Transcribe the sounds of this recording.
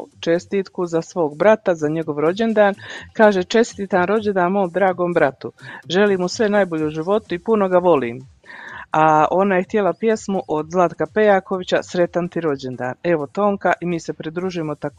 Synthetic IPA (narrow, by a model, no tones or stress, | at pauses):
t͡ʃe̞st̪iːt̪kuzasʋo̞ːɡbɾat̪azaɲe̞ɡo̞ʋɾo̞d͡ʑe̞nd̪aːnkaːʒet͡ʃe̞st̪iːt̪anɾo̞d͡ʑend̪aːnmo̞ːmd̪ɾaːɡo̞ːmbɾat̪uʒe̞liːmusʋe̞najbo̞ʎeuʒiʋo̞t̪uipuno̞ɡaʋo̞lḭːm | ao̞najext̪je̞lapje̞smuʔod̪zlˠad̪kape̞jaːko̞ʋit͡ɕa̰sɾe̞t̪ant̪iɾo̞d͡ʑend̪a̰ːne̞ʋo̞t̪o̞ːŋkaʔimiːse̞pɾid̪ɾuːʒimot̪ak